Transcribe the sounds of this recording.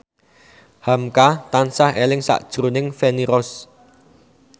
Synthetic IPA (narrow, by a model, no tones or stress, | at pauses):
hamkat̪ansahelɪŋsa̰ʔd̥ʒ̥ɾunɪŋfeniɾɔs